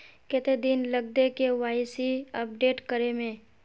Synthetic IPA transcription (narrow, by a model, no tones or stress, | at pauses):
ket̪ed̪inləɡ̚d̪ekeʋaːɪsiɐp̚ɖeːʈkəɾemẽː